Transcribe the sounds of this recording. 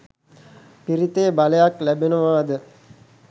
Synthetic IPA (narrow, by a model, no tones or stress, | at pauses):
piɾit̪eːbalejaklæbenoʋaːd̪ə